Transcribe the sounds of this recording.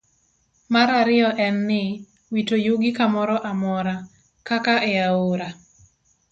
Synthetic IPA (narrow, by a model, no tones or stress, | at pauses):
maɾaɾɪɔʔɛnːɪ | witojuɡɪkamɔɾɔʔamɔɾa | kakaʔɛaoɾa